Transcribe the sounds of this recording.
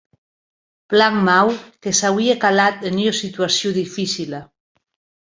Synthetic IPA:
plaŋmawkesawiekalat̪eniosit̪uasjoðifisila

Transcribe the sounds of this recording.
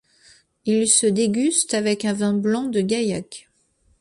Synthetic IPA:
ilsəd̪eɡʲyst̪avɛkɛ̃vɛ̃blɑ̃d̪əɡajak

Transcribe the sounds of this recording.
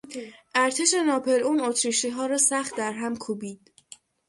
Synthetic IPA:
ʔæɾt̪ʰeʃe̞nɒːpʰe̞ɾuːnot̪ʰɾiʃiːɦɒːɾɒːsæχt̪̚d̪æɾɦæmkʰuːbiːd̪̥

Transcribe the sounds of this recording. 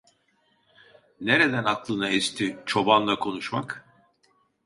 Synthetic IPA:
neɾed̪ænaklˠɯnaest̪ʰit͡ʃʰo̞banlˠakʰo̞nuʃmak

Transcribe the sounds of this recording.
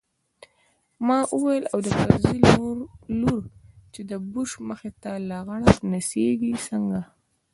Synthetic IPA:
mɑʔuwajəlawd̪əpazilluɾt͡ʃed̪əbuʃməxet̪alaɣaɽanaseɡisəŋɡa

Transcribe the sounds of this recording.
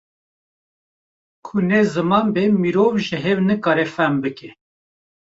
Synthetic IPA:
kʰʊnezɨmɑːmbemiɾovʒɨɦewnɨkɑːɾɛfɛmbɨke

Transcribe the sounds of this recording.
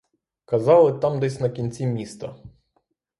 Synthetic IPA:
kɐzɑlˠɪt̪ɑmd̪ɛsʲnɐkʲinʲt͡sʲimʲist̪ɐ

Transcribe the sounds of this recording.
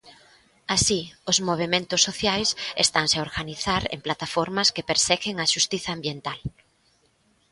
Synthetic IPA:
asiʊzmoβ̞emẽnt̪ʊsːoθjajsest̪aŋseaoɾɣaniθaɾḛmplat̪afɔɾmɐskepeɾsɛɣɪŋɐʃust̪iθɐːmbjent̪al

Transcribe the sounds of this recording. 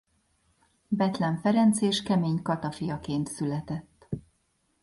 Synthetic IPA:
bɛt̪lɛɱfɛɾɛnt̪seːʃkɛmeːɲkɒt̪ɒfijɒkeːnt̪sylɛt̪ɛt̪ː

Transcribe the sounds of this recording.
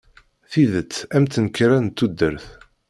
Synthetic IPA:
θiðət͡sːæmt̪ːənkːɾænt̪ːud̪ːəɾθ

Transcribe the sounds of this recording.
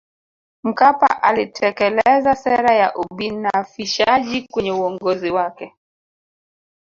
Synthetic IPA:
m̩kapa̰ʔalitʰɛkɛlɛzasɛɾajaʔuɓinafiʃaʄikwɛɲɛuɔŋɡɔziwakɛ

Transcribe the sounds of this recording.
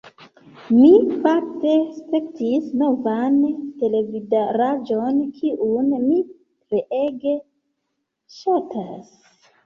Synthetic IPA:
mipakte̞spe̞ktisno̞vante̞le̞vidaɾad͡ʒo̞nkʰiʔunmi | pleʔeɡe̞ | ʃatʰas

